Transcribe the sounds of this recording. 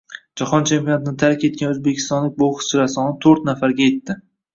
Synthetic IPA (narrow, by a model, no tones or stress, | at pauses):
d͡ʒaχɒnt͡ʃʰempʲijonat̪ɪnɪt̪ʰaɾkʲʰe̞t̪̚kʲanɵzbekʲʰɪ̥st̪ɒnlɪk̚ʲboχɨ̥t͡ʃɪɾasɒnɪt̪ʰɵɾt̪nafaɾɡʲaje̞t̪ːɪ